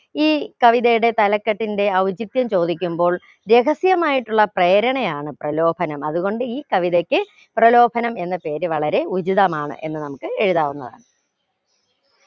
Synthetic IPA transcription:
iːkɐʋiðɐjuɽe̞t̪ɐlɐkːɐʈːinde̞ɐʋɐd͡ʑit̪jɐmt͡ɕo̞ːd̪ikʲːumbo̞ːɭ | ɾe̞ɣɐsjɐmaːjiʈːuɭːɐpreːɾɐɳɐjaːɳɨprɐlo̞ːbʱɐnɐmɐðuɣo̞ɳɖɨiːkɐʋiðɐkʲːɨ | prɐlo̞ːbʱɐnɐme̞nːɐpe̞ːɾɨʋɐɭɐɾe̞ud͡ʑiðɐmaːɳɨ̰ʔe̞nːɨnɐmukːɨe̞ɻuðaːʋunːɐ̰ða̰ːɳɨ

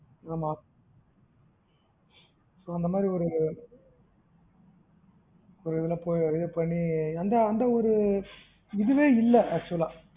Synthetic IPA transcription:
aːmaː | soːɐnd̪ɐmaːd̪ɾiɔɾɯ | ɔɾɯɪðɪlɐːpoːjɐʋɪðɯpɐɳːiɐnd̪ɐːnd̪ɐɔɾɯ | ɪðɯʋeːɪlːɐɐt͡ʃːʊlãː

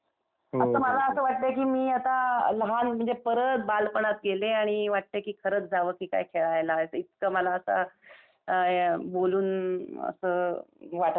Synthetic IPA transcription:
əsəːməlaəsəːʋaʈ̚t̪ekiːmiːat̪aləɦanm̤əɳd͡zepəɾət̪̚balpəɳ̃at̪ɡeleaɽ̃iʋaʈ̚t̪ekiːkʰəɾət͡sd͡zʱaʋəkiːka̰jkʰeɭajlajt͡sit̪kaməlaəsa̰ | boluːnə̰səːʋaʈə

